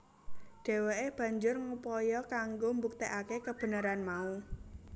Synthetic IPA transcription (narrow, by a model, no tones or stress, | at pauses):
ɖ̥e̤weeb̥ä̤ɲd͡ʒʊrŋupɔjɔkaŋɡombuk̚t̪eʔakekəb̥ə̤nəɾanmau